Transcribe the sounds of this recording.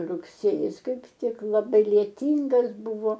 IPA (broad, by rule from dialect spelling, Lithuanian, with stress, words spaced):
rʊkˈsʲeːjɪs ˈkɐɪp ˈtʲɪk lˠɐˈbɐɪ lʲiɛˈtʲiːŋɡɐs ˈbʊʋoː